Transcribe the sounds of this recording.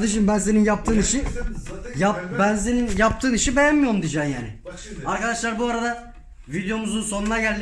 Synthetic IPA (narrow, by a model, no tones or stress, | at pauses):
d̪ɯʃɯmbænzeninjap̚t̪ʰɯːniʃi | japbænzeninjap̚t̪ʰɯːniʃibe̞jænmijo̞ɾumd̪id͡ʒaːmjaːnɪ | aɾkad̪aʃlˠaɾbuaɾad̪a | vid̪jo̞muzunso̞nunaɟælʲd̪